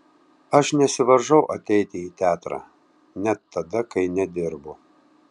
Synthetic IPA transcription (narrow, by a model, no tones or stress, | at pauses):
ɐʃnʲɛsʲɪʋɐɾʒɐʊʔɐt̪ʲɛɪt̪ʲɪiːt̪ʲæːt̪ɾɑ̰ː | nʲɛt̪ːɐd̪ɐkɐɪnʲɛd̪ʲɪɾbʊ